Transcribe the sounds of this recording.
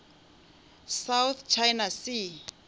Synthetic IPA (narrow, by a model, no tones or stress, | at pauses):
sawθt͡ʃʰajnasi